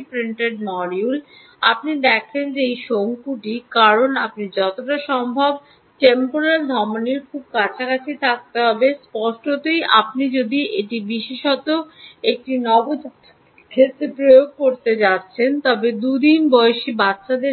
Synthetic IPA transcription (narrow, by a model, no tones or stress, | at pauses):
pɾiɳʈeɖ̚mɔɾijul | a̰pnid̪ɛkʰend͡ʑeejʃoŋkuʈikaɾonapnid͡ʑɔt̪oʈaʃɔmbʱab̚ | ʈempoɾeld̪ʱɔmoniɾkʰub̚kat͡ɕʰakat͡ɕʰit̪ʰak̚t̪eɦɔbespɔʃʈot̪eja̰pnid͡ʑod̪iʔeʈibiʃeʃɔt̪oek̚ʈinɔbod͡ʑ | kʰet̪epɾojoɡ̚koɾt̪ed͡ʑat̪ːɕʰent̪ɔbed̪ud̪inbɔeʃibatːʃʰad̪e